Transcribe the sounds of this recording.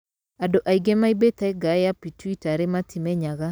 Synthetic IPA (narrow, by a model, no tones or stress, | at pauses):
adoʔaiɡɛmaibet̪aeɡajapitwitaɾematʰimɛɲaɣa